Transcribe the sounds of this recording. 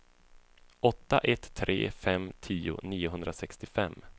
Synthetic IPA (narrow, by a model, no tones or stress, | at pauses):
ɔt̪ːaʔɛt̪ʰːɾḛːfɛmt̪ʰiːʊ̰niːʊɦɵnd̪ɾasɛkst̪ɪfɛmː